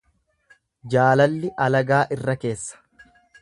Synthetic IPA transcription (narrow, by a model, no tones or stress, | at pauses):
d͡ʒaːlɐlːɪʔɐlɐɡaːʔɪrːɐke̞ːsːɐ̥